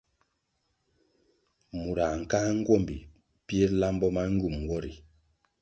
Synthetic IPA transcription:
mu˨ɾa˨ŋ˨kaː˦ŋ̩˦ɡwɔ˦˨mbi˨ | pje˦la˦mbɔ˦ma˦ŋ˦ɡu˦˨m˨wɔ˦ɾi˨

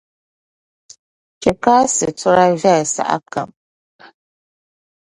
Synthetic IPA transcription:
t͡ʃɛ˨kaː˦sɨ˨tʊ˦ɾa˦vɛ˦˨sa̰˨ʔa̰˦ka̰˨m

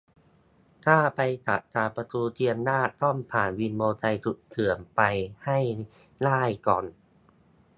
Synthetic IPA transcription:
t̪ʰaː˥˩pa˧jt̪a̰˨˩t̪̚t͡ɕaː˧˩pɾa˧t̪uː˧t̪ʰi˧a˧nːaː˥˩t̪ːɔ˥˩mpʰaː˨˩˦nwi˧nmoː˧t̪a˧jt̪ʰu˨˩k̚t̪ʰɯ˨˩˦ənpa˧jha˥˩j | laː˥˩jkɔː˨˩n

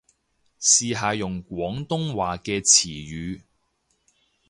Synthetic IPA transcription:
siː˨ɦaː˨jʊ˨ŋkʷwɔː˨˥ŋt̪ʊ˥ŋwaː˨kɛː˧t͡sʰiː˨˩jyː˨˧

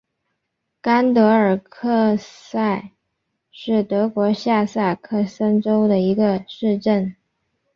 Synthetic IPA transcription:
ka˥nt̪ɤ˧˥ə˞˨˩kʰɤ˥˧sa˥˩ɪ | ʂɻ̩˥˩t̪ɤ˧˥kwɔ˧˥ɕja˥˧sa˥˩kʰɤ˥˩sə˥nʈ͡ʂo˥ʊd̪ə˨i˧˥ɡə˧ʂɻ̩˥˧ʈ͡ʂə˥˩n

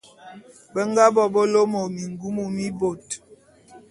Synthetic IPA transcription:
bə˦ŋ˦ɡa˦bɔ˨bɔ˦lo˦mo˨mi˨ŋɡu˦mu˨mi˦bo˨t

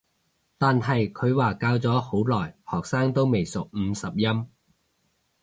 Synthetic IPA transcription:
t̪aː˨nɦɐ˨jkʰɵ˨˧ɥwaː˨˩kaː˧wt͡sɔː˨˥ho˨˥wlɔː˨˩jhɔː˨˩k̚saː˥ŋt̪o˥wme˨jsʊ˨k̚m̩ː˨˧sɐ˨p̚jɐ˥m

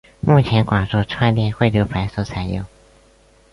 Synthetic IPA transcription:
mu˥˩t͡ɕʰjɛ˧˥nkwa˨˩ŋʈ͡ʂu˥˧ʈ͡ʂʰwa˥˧nljɛ˥˧nxwe˥˩ljo˧˥ʊpʰa˧˥ɪsɤ˥˩t͡sʰa˨˩ɪjo̰˥˩ʊ

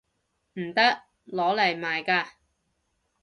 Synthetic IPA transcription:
m̩˨˩t̪ɐ˥k̚ | lɔː˨˥lɐ˨˩jmaː˨jkaː˧

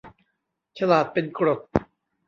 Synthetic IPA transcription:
t͡ɕʰa˧laː˨˩t̪̚pe˧nkɾo˨˩t̪̚

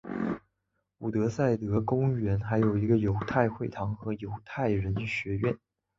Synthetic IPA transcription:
u˨˩t̪ɤ˧˥sa˥˩ɪt̪ɤ˧˥kʊ˥ŋɥɛ˧˥nxa˧˥ɪjo˨˩ʊi˧˥ɡə˧jo˧˥ʊt̪ʰa˥˧ɪxwe˥˩ɪt̪ʰɑ˧˥ŋxɤ˧˥jo˧˥ʊt̪ʰa˥˩ɪɻə˧˥nɕɥɛ˧˥ɥɛ˥˩n

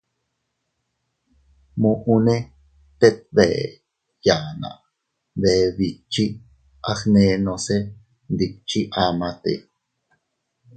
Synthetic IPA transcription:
mũʔu˧ne˦ | t̪e˦t̪̚βɛ˨ | jaː˨na̰˨ʔ | βe˨βi˨t͡ʃi˦ | ʔaxne˧nõ˧se˦ | nd̪ik̚t͡ʃiʔa˨mãt̪ḛ˨

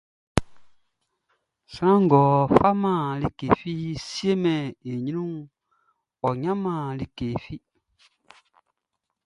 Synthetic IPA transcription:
sɾã˦ŋ˨ɡɔː˨fa˦mã˦˨li˦ke˨fi˦si˦e˦mɛ̃˨e˨ɲĩ˦nũ˦ŋ | ɔ˨ɲã˦mã˨li˦ke˨fi˦

